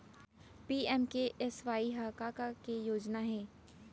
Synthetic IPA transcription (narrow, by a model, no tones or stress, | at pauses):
piːɛmkeʔɛsʋaːiɦaːkaːkakejoːd͡ʒnaɦɛː